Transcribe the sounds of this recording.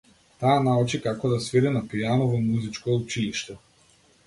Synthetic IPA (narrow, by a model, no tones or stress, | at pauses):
t̪aːnaut͡ʃikakɔd̪asvɛd̪ɛnapijanɔvɔmuzit͡ʃkɔut͡ʃiliʃt̪ɛ